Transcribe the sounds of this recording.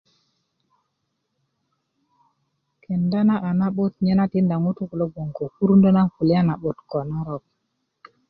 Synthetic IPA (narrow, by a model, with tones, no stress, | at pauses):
ke˨nda˦na˦ʔa˨na˦ɓo˦tɲe˦na˦ti˦nda˨ŋu˦tu˦ku˨lo˦ɡo˨ŋko˨ku˦ɾu˦ndo˦na˦nku˨li˦a˦na˨ɓo˨tko˨na˦ɾo˨k̚